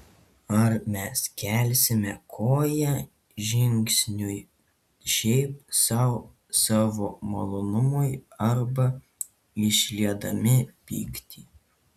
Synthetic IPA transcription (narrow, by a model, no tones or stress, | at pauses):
ɐɾmʲɛskʲɛlʲsʲɪmʲɛkʰoːjɛ | ʒʲɪŋʲksʲnʲʊj | ʃʲɛɪp̚sɑʊ | sɑːʋoːmolˠonʊmʊjɐɾbɐ | ɪʃʲlʲiɛd̪ɐmʲɪpʲḭːkt̪ʲiː